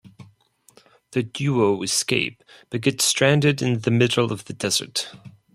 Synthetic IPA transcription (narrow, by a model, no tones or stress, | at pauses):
ðɨdjʉoʊɨskeɪp̚ | b̥ʌt̚ɡ̥ɛtstɹ̥æ̃ndɨɾɨ̃nðɨmɪɾl̩ˠʌvðɨdɛz̥ə̰˞t̚